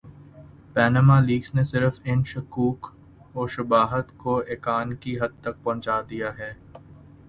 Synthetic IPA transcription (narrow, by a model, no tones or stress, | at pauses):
pɛːnəmaliːɡsnesɪɾəfɪnʃʊkuːk | oːʃɐbaːɦət̪koeːkaːnkiɦɐd̪̚t̪ɐk̚pɐ̃ɦt͡ʃaːd̪ijaɦɛː